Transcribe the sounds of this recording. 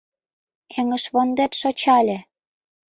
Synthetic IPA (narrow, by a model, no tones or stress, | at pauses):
kʰĕŋə̆ʃβond̪et̪ʃot͡ɕɑlʲĕ